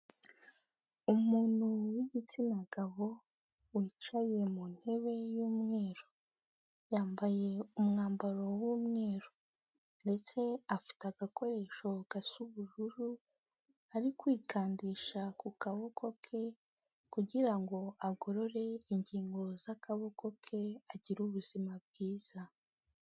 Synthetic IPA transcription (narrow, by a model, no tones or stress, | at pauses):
umuːn̥huwiɟit͡sinaɡaβo̞ | wiːt͡ʃaje̞mun̥he̞βe̞juːmŋe̞ːɾo | jaːmbaje̞umŋaːmbaɾo̞wuːmŋe̞ːɾo̥ | nde̞t͡se̞afi̥taɡako̞ɾe̞ːʃo̞ɡ̥asuβuʒuɾu | aɾikwiːkʰaːndiːʃakukaβo̞kʰo̞kʰe̞ | kuɟiɾaŋɡo̞aɡo̞ɾo̞ɾe̞iɲɟiːŋɡo̞zakaβo̞ko̞kʰe̞aɟiɾuβuz̥imab̚ɡiːz̥a